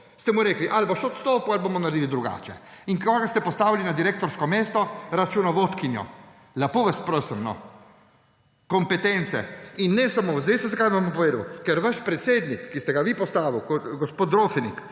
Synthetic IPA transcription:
st̪ɛmuɾɛkliʔalbɔʃot̪st̪ɔpːualbomonaɾd̪ilid̪ɾuɡa̰t͡ʃeiŋkakest̪ɛpost̪avilinad̪iɾɛkt̪oɾskomest̪oɾat͡ʃunovot̪kino̰ | lapovəst̪pɾəsənnːo̰ | kompet̪ɛnt̪sḛinːɛsamozesaskajmamopoveɾvokeɾvaʃpɾet̪sɛd̪nikːist̪eɡavipost̪aːvəkɡospod̪ɾofenik

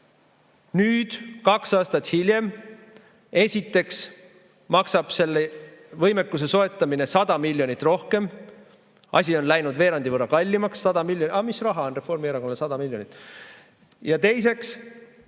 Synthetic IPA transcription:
nyːd̪̥kɑksɑːst̪ɑt̪ːhilʲje̞m | e̞sʲit̪ːe̞ks | mɑksɑb̥se̞lːevɤjme̞kːus̬e̞so̞et̪ˑːɑmine̞sɑd̪̥ɑmilʲːjo̞nit̪ːˑro̞hke̞m | ɑ̰sʲio̞nlæjnud̪ve̞ːɾɑnd̪ivɤrːɑkɑlʲːimɑksːɑd̪̥ɑmilʲjonʔɑmisrɑɦɑo̞nre̞fːo̞rmieɾɑɡolːesɑd̪ɑmilʲːjo̞nit̪ːˑ | jɑt̪e̞js̬e̞ks

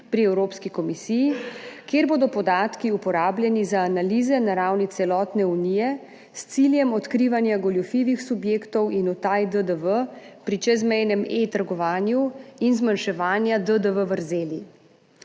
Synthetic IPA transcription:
pɾiɛwɾoːpskikɔmisiːjikeːɾboːd̪ɔpɔd̪aːt̪kiupɔɾaːblʲjɛnizaːnaliːzɛnaɾawnit̪sɛlɔːt̪nɛuniːjɛ | st̪siljɛmɔt̪kɾiːʋanjaɡɔljufiːʋixsubjeːkt̪ɔwinut̪ajd̪əd̪əʋə | pɾit͡ʃɛzmɛjnɛmet̪əɾɡɔʋaːnjuinzmanʃɛʋaːnjad̪əd̪əʋəʋəɾzeːli

